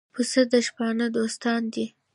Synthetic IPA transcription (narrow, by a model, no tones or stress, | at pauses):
pʰəsəd̪əʃpɑnəd̪ost̪ɑnd̪i